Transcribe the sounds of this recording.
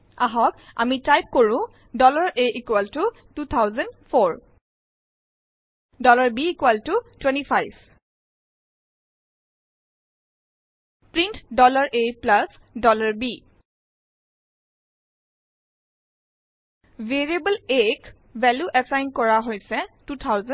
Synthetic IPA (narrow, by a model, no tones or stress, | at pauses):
aɦɔka̰mitajp̚koɹʊ̃ | dɔlaɹeʔikwɛltu | tut̪ʰawzɛndfʰoɹ | dɔlaɹbiːkwɛltutwɛ̃ntifʰajb | pɹintdɔlaɹʔeplasdɔlaɹbi | veɹiebəlek | vɛluʔɛsajnkɔɹaɦojsɛtut̪ʰawzɛ